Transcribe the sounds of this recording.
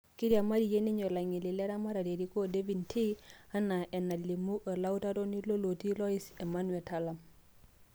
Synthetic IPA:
ki˦dja˨ma˦ɾi˨je˦ni˦ɲo˨la˨ŋi˨li˨le˦ɾa˦ma˦ɾa˨de˨ɾi˦ko˦de˦vi˨ntʰi˦a˦na˨ʔe˨na˨li˨mu˦ʔa˨la˦u˦ta˦dɔ˦ni˦lo˦lo˨ti˦lɔ˦i˦se˨ma˦nwɛ˨ta˦la˨m

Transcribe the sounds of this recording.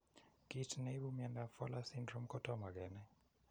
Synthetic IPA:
ɡ̥itʰne˦ɓumɛ˨nda˨fɔ˦la˦sindro˦m̩˦kʰɔ˦tʰʼɔma˨kɛ˨nɛ˦

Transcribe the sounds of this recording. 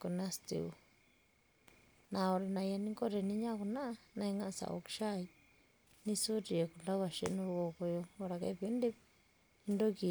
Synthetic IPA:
ku˧nã˦˧st̪ḭ˧˨u˧˨ | nã˧o˧ɾa˧nã˧ja˧nĩ˧ŋko˦ɾe˧˨nĩ˧˦ɲã˦ku˧nã˦˧nã˧i˧ŋã˦˧sa̰˨o̰˧ki̥˧ʃa˦i˧ | nĩ˧su˦ti˧jo˨ku˧la˦wa˧˨ʃḛ˦˧nũ˧ɣo˧ko˧jo˧o˧ɾa˨ka̰˧βe˧˦nd̪e˦ | i˧nd̪o˦ki˧

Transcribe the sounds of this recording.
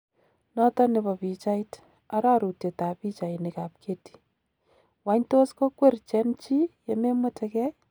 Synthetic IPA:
nɔ˦tɔ˦nɪbɔ˨pi˨t͡ʃait | a˦ɾa˦ɾu˨te˨ta˨pi˦t͡ʃa˨jnɪka˨p̚kʰeti̥ | waɲtosko˦kwe˦rt͡ʃɛ˦nt͡ʃi˦jeme˦matʰɛkɛ

